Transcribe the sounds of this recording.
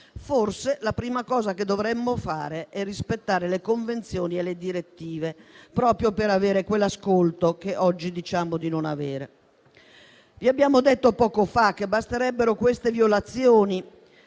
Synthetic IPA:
forselapɾiːmakɔːzaked̪ːovɾɛmːofa̰ːɾeʔɛrːispet̪ːaːɾelekoɱvent̪sjoːnieled̪iɾet̪ːiːvepɾɔːpɾjopeɾaveːɾekwelːaskolt̪okeʔɔd͡ʒːid̪it͡ʃaːmod̪inona̰veːɾḛ | viabːjaːmod̪et̪ːopɔːkofakːebːast̪eɾɛbːeɾokwest̪evjolat̪sːjoːni

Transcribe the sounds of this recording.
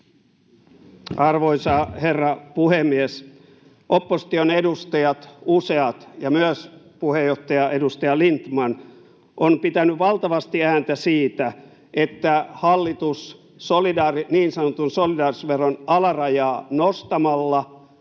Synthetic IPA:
ɑrʋoisɑherːɑpuhemːies | ʔopːosi̥t̪ionedust̪ɑjɑt̪useɑt̪jɑmyøspuhejoht̪ːɑjɑe̞dust̪ɑjɑlint̪mɑn | ʔompit̪ænyʋɑlt̪ɑʋɑst̪iæːnt̪æsiːt̪æ | et̪ːæhɑlːit̪usː | olidɑːriniːnsɑnot̪unsolidɑːrisʋerːonɑlɑrɑjɑːnost̪ɑmɑlːɑ

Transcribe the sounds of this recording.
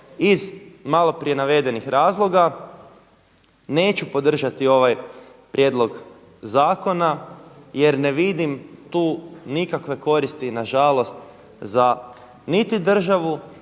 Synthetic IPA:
izmalˠo̞pɾie̞naʋe̞d̪e̞nixɾʔaːzlˠo̞ɡa | ne̞ːt͡ɕupo̞d̪r̩ʒat̪io̞ʋajpɾje̞ːd̪lo̞ɡ | zaːko̞naje̞ɾneʋid̪imt̪uːnikakʋe̞ko̞ɾist̪inaʒalˠo̞st̪ | za | nit̪id̪r̩ʒaʋu

